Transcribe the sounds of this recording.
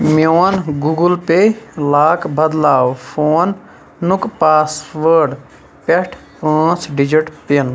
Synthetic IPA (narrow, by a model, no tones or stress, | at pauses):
mjoːnɡuɡəlpelaːkbɐd̪laːwpʰoːnː | ukpaːsʋəɾɖ | peʈʰpãːt͡ʃɖid͡ʒiʈpen